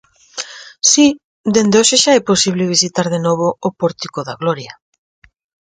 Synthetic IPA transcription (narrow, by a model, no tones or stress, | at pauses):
si | d̪end̪eoʃeʃaɛposiβleβ̞isit̪aɾðenoβ̞oːpoɾt̪ikoðaɣloɾja